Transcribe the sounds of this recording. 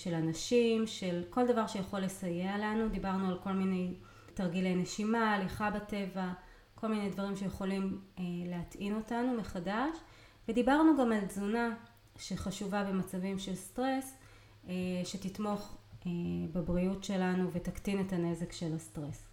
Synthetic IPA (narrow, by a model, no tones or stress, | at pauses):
ʃe̞lanaʃimʃe̞lko̞ldɐvaʁʃe̞jaχo̞lːe̞saje̞alanud̪ibaʁnualko̞lmine̞j | taʁɡile̞jneʃimaːliχabate̞va | ko̞lmine̞jdvɐʁimʃe̞jeχo̞limeleatino̞tanumeχadaʃ | vedibaʁnuɡamalzuna | ʃeχaʃuvabe̞mat͡savimʃe̞lstʁe̞s | eʃe̞titmo̞χebebʁiutʃe̞lanuve̞taktine̞tane̞ze̞kʃe̞lastʁes